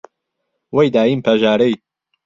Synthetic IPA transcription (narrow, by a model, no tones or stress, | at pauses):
wejd̪aːjimpʰɐʒaːɾej